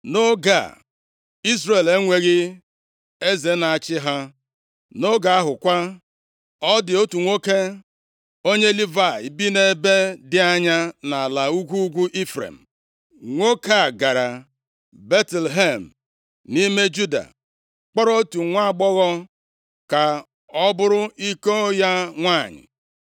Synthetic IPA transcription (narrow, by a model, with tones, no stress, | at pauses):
no˦ɡa̰˨ | i˦zɾe˨le˦ŋʷe˨ɣɪ˦ | e˦ze˨˦na˨a˨t͡ʃɪ˦ɦa˦ | no˦ɡa˨a˦ɦʊ˨kʷa˦ | ɔ˦dɪ˨o˦tu˨ŋʷo˦ke˦ | o˦ɲe˦li˦va˦˨i˨bi˦ne˦be˦dɪ˦a˦ɲa˦na˨la˨u˦ɡʷu˦ɡʷu˦ʔi˦fɾḛ˨m̩˨ | ŋʷo˦ke˦a˨ɡa˨ɾa˨ | be˦tlɦe˦˨m̩˨ | ni˦me˦d͡ʒu˦da̰˨ | k͡pɔ˦ɾɔ˦tu˨ŋʷa˦˨ɡ͡bɔ˦ɣɔ˦ | ka˨ | ɔ˦bʊ˦ɾʊ˦i˦ko˦o˦ja˦ŋʷa˦˨ɲɪ̰˨